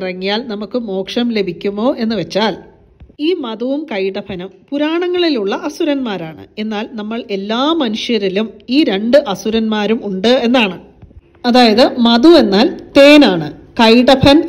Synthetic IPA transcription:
rɐŋːijaːlnɐmukːɨmo̞ːkʂɐmle̞bʱikʲːumːo̞ːʔe̞nːɨʋet͡ɕːaːl | iːmɐðuʋumkɐjɽɐpʰɐnumpuɾaːɳɐŋːɐɭiluɭːɐʔɐsuɾɐnmaːɾaːɳɨ̰e̞nːaːlnɐmːɐɭe̞lːaːmɐnuʂjɐɾilumiːɾe̞ɳɖɨʔɐsuɾɐnmaːɾumuɳɖɨe̞nːaːɳɨ | ɐðaːjɐðɨmɐðue̞nːaːlt̪e̞ːnaːɳɨkɐjɽɐpʰɐn

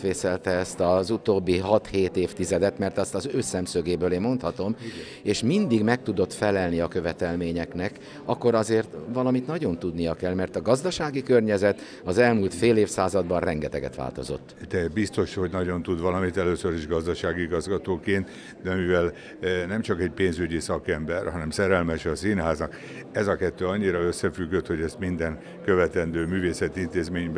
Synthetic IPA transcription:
ʋeːsɛlt̪ɛɛst̪ɒzut̪oːbːiɦɒt̪heːt̪eːft̪izɛd̪ɛt̪mɛrt̪ɒst̪ɒzøːsɛmsøɡeːbøːleːmmo̞nt̪hɒt̪o̞m | eːʃmind̪iɡmɛk̚t̪ud̪o̞t̪fɛlɛlniɒkø̞vɛt̪ɛlmeːɲɛknɛk | ɒkːo̞ɾɒzeːrt̪ʋɒlɒmit̪nɒɟo̞nt̪ud̪nijɒkɛlmɛrt̪ɒɡɒzd̪ɒʃaːɡikørɲɛzɛt̪ | ɒzɛlmuːlt̪feːleːfsaːzɒd̪bɒrrɛŋɡɛt̪ɛ̰ɡɛ̰t̪ʋa̰ːlt̪o̞̰zo̞̰t̪ːd̪ɛbist̪o̞ʃho̞ɟnɒɟo̞nt̪ud̪ʋɒlɒmit̪ɛløːsøɾiʒɡɒzd̪ɒʃaːɡiiɡɒzɡɒt̪oːkeːnt̪ | d̪ɛmivɛl | nɛmt͡ʃɒkɛɟpeːnzyɟisɒkɛmbɛrhɒnɛmsɛɾɛlmɛʃɒsinɦaːznɒk | ɛzɒkɛt̪ːøːɒɲːiɾɒøsːɛfyɡːøt̪hoɟɛst̪mind̪ɛn | køvɛt̪ɛnd̪øːmyːveːsɛt̪int̪eːzmeːɲb

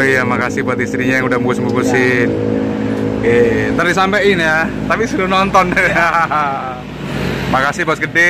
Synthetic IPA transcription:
ijamakasɪhbuat̪ist̪ɾiɲajaŋudamukusmbukusɪn | ket̪ərdisampɛʔinjat̪apisəɾunɔnt̪ɔna | makasɪhpaskəde

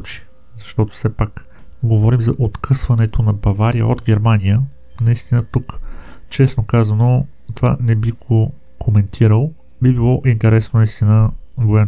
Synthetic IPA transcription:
t͡ʃi̥ | zɐʃt̪ɔt̪ʊ̥fsɛpak | ɡovɔɾimzɐʔot̪kʰɤsvɐnɛt̪ʰonɐbɐvaɾijə̰od̪ɡʲɛɾmanʲijə | nɐist̪inət̪ukt͡ʃɛsnokazɐno | t̪ova̰nɛbiɡo | kʰomɛnt̪ʰiɾəlˠ | bibilˠɔʔint̪ɛɾɛsnonɐist̪inəɡoja

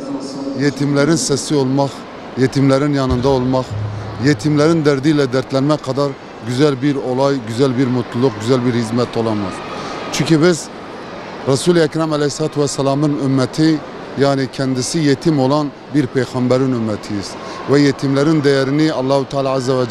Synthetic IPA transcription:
jet̪ʰimlæɾinsɛsiolˠmɑχ | jet̪ʰimlæɾinjɑnɯnd̪ɑolˠmɑχjet̪ʰimlæɾind̪ɛɾd̪ilɛd̪ɛɾt̪ʰlɛnmɛqʰɑd̪ɑɾ | ɡʲyzɛlbiɾolˠɑjɡyzælbiɾmut̪ʰlˠulˠuq̚ɡyzɛlbiɾhizmɛt̪ʰolˠɑmɯ̰z̥t͡ʃʰyɲkʲibiz | ɾɑsulˠɛkʲɾɑmɛlɛhslˠɑːt̪ʰuvɛsːɛlˠɑːmɯnymːɛt̪ʰi | jaːnikʲʰɛnd̪isijet̪ʰimolˠɑn | biɾpʰejχɑmbæɾinymːɛt̪ʰijiz̥ | vɛjet̪ʰimlæɾind̪ɛjɛɾiniɑlˠːɑːhut̪ʰɑːlˠɑːzːɛvɛd͡ʒ

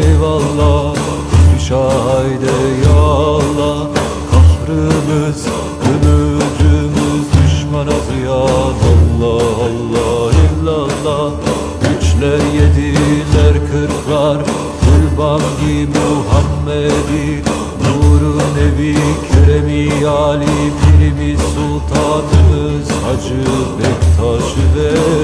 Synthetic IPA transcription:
valˠːɑ | iʃajd̪ɛjalˠːɑ | kʰahɾɯmɯz̥ | ɡømød͡ʒymyzd̪yʃmanat̪ʰɯjanɑlˠːɑɑlˠːɑhilʲːalˠːɑ | ɡyt͡ʃlʲæɾjed̪ilʲæɾkʰɯɾkʰlˠaɾ | kʰulbanɟimuɦamːɛd̪i | nuːɾune̞vicʰøɾemiaːlʲifʰiɾimisulˠt̪ʰaːnɯmɯ | zhad͡ʒɯbɛkt̪ʰaːʃɯvɛ

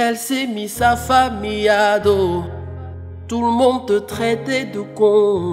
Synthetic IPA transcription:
ɛlsemisafamijad̪o | t̪uləmɔ̃d̪̚ət̪χɛt̪ɛd̪əkɔ̃

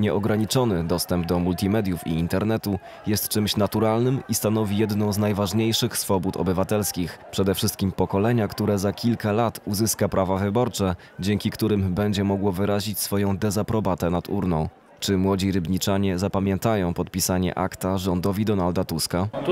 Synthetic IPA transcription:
ɲɛʔɔɡɾaɲit͡ʂɔnɘd̪ɔst̪ɛmb̚d̪ɔmult̪ʲimɛd̪ʲjufḭːnt̪ɛɾnɛt̪u | jɛst̪t͡ʂɘmɕnat̪uɾalnɘmist̪an̪ɔvʲijɛd̪nɔ̃w̃znajvaʐɲejʂɘxsfɔbut̪ɔ̰bɘvat̪ɛlskʲixpʂɛd̪ɛfʂɘst̪̚kʲimpɔkɔlɛɲakt̪uɾɛzakʲʰilkalat̪uzɘskapɾʔavavɘbɔɾt͡ʂɛ | d͡ʑɛŋkʲikt̪uɾɘmbɛɲd͡ʑɛmɔɡwɔvɘɾaʑit͡ɕsfɔjɔ̃w̃d̪ɛzapɾɔbat̪ɛnat̪ṵɾnɔ̃w̃ | t͡ʂɘmwɔd͡ʑiɾɘbɲit͡ʂaɲɛzapamʲjɛnt̪ajɔ̃w̃pɔt̪̚pʲisaɲɛ̰ʔa̰kt̪aʐɔnd̪ɔvʲid̪ɔnald̪at̪uska

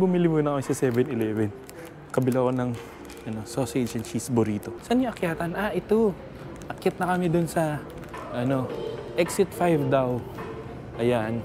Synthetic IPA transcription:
bʊmilimʊnɐkɐmɪsɐsɛvɛnɪlɛːvɛn | kɐbɪlakonɐŋ | ʔɐno̞sosed͡ʒɐnt͡ʃisbʊɾiːt̪osɐnɲoʔɐkjaːt̪ɐnʔaʔɪt̪o | ʔɐkjɪt̪̚nɐkɐmɪd̪ʊnsɐ | ʔɐno̞ʔɛksɪt̪fajvd̪aw | ʔɐjan

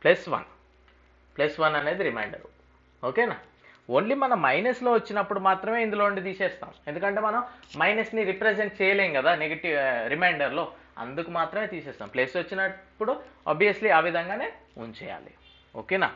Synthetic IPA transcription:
plɐsʋɐ̰n | plɐsʋɐnɐne̞ːd̪iɾimɐjɳɖɐ̰ɾu | oːkeːnaː | oɳlimɐnɐmːɐjnɐslo̞ːʋɐt͡ʃːinɐpːuɽumaːt̪ɾɐme̞ːind̪ulouɳɖit̪iːsɛːst̪a̰ːme̞nd̪ukɐɳʈe̞ːmɐnɐmːɐjnɐsniɾipɾed͡ʒeɳʈ̚t͡ʃɛːjɐleːŋɡɐd̪aːneɡɐʈiʋɾimɐjɳɖɐɾlo̞ː | ɐ̰nd̪ukumaːt̪ɾɐme̞ːt̪iːseːst̪a̰ːmplesʋɐt͡ʃːinɐpːuɽua̰ːbʱijɐsliaːʋid̪ʱɐŋɡaːne̞ːunt͡ʃɛ̰ːja̰ːlḭ | o̰ːkeːna̰ː

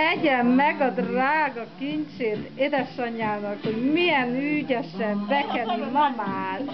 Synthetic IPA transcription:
ɛɟɛmːɛɡɒd̪raːɡɒkiɲt͡ʃeːt̪ed̪ɛʃɒɲaːnɒkho̞ɟmijɛnyːɟɛʃɛmbɛkɛɾimɒmaːr

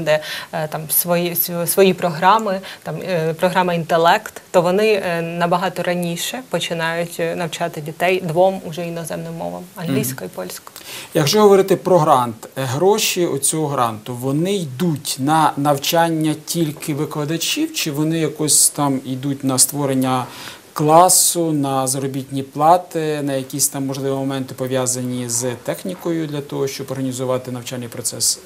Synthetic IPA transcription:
d̪ɛt̪ɑmsʋɔjissʋɔjipɾɔɦɾɑmɪt̪ɑmpɾɔɦɾɑmɐint̪elˠɛkt̪ːɔʋɔnɪnɐbɐɦɑt̪ɔɾɐnʲiʃɛpɔt͡ʃɪnɑjʊtʲnɐwt͡ʃɑt̪ɪdʲit̪ɛjd̪ʋɔmʊʒɛinɔzɛmnɪmːɔ̰ʋɐ̰mɐnɦlʲijsʲkɔjipɔlʲsʲkɔ̥jɐɡʒɔɦɔʋɔɾɪt̪ɪpɾɔɦɾɑnt̪ɦɾɔʃʲiɔt͡sʲɔɦɔɦɾɑ̰nt̪ʊʋɔnɪjd̪utʲnɐnɐwt͡ʃanʲːɐtʲilʲkʰɪʋɪklˠɐd̪ɐt͡ʃʲiwt͡ʃɪʋɔnɪjɐkɔsʲt̪ɑmid̪utʲnɐst̪ʋɔɾenʲːɐ | klˠɑsʊnɐzɐɾɔbʲit̪ʲnʲiplˠɑt̪ɪnɐjɐkʲisʲt̪ɑmːɔʒlˠɪʋʲimɔmɛnt̪ɪpɔʋʲjazɐnʲizt̪ɛxnʲikɔjʊd̪lʲɐt̪ɔɦɔʃt͡ʃɔbɔrɦɐnʲizʊʋɑt̪ɪnɐwt͡ʃalʲnijpɾɔt̪sɛs

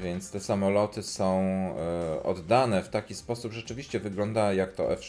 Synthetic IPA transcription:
vʲjɛnt̪st̪ɛsamɔlɔt̪ɘsɔ̃w̃ | ɔ̰d̪ːanɛft̪akʲispɔsupʐɛt͡ʂɘvʲiɕt͡ɕɛvɘɡlɔnd̪ajakt̪ɔ̰ʔɛfʂ

